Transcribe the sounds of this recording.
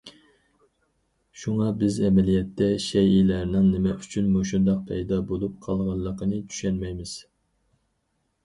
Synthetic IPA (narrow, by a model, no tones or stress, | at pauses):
ʃuŋɑbɪzɛmɛlijɛt̪ʰːɛʃɛjilæɾnɪŋnɪmɛʔyt͡ʃʰynmoʃ̬und̪ɑq̚pʰɛjd̪ɑbolˠup̚qʰɑlˠʁɑnlˠːəqənɨt͡ʃ̪ʰy̥ʃɛnmɛjmɪz̥